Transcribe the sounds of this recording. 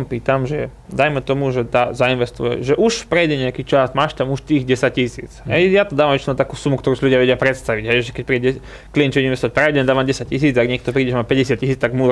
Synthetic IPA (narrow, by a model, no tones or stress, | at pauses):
mpiːt̪amʒɛ | d̪ajmɛt̪ɔmuʒɛt̪azainʋɛst̪ṵjɛ̰ʒɛʔuʃpɾɛjɟɛɲɛakiːt͡ʃasmaːʃt̪amuʃt̪iːɣɟɛsac̚cisḭːt͡sɦɛjjat̪ɔd̪aːʋamɛʃt̪ɔnat̪aːkuːsumukt̪ɔɾuːsiluɟɪaʋɛɟɪapɾɛt̪st̪aʋiɟɦɛjʒɛkɛc̚pɾiːɛɛ | kliɛnt͡ʃɔɛinʋɛst̪ɔac̚ʲpɾɛjdɛnd̪aːʋamɟɛsac̚cːisiːd͡zaɡɲɛk̚t̪ɔpɾiːɟɛʒɛmapɛɟɛsɪat̪̚cisiːt͡st̪aɡmu